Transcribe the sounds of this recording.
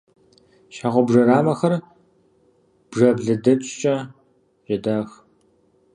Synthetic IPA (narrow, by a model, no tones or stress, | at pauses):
ʃaːʁʷɔbʐɐɾaːmɐxɐr | b̥ʐɐbɮɨdɐt͡ʃʼt͡ʃʼɐ | ʑɪdaːx